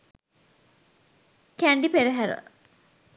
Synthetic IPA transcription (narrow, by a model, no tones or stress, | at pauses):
kæɳɖipeɾəɦæɾə̰